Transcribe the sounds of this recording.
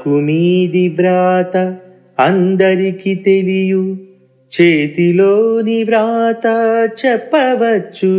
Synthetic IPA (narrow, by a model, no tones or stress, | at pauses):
kumiːd̪iʋɾaːt̪ɐ | ɐnd̪ɐɾikit̪eliju | t͡ʃeːt̪iloːniʋɾaːt̪ɐt͡ʃɛpːɐʋɐt͡ʃːu